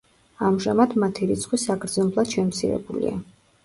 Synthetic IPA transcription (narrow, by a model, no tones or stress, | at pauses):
amʒamad̪mat̪ʰiɾit̪sʰχwisakʰɾd̪zɔnblˠad̪̥ʃɛmt̪sʰiɾɛ̰bulḭa̰